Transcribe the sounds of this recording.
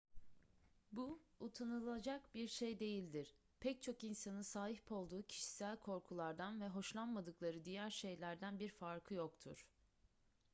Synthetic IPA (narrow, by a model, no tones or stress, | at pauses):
buut̪ʰanɯlˠad͡ʒakbiɾʃejd̪e̞jilʲd̪iɾ̥ | pʰɛc̚t͡ʃʰo̞kinsanɯsaːihpʰo̞lˠd̪uːcʰi̥ʃi̥sælʲkʰo̞ɾkʰulˠaɾd̪anvɛɦo̞ʃlˠanmad̪ɯklˠaɾɯd̪ijæɾʃe̞jlʲæɾd̪ænbiɾfaɾkʰɯjo̞kt̪ʰṵɾ̥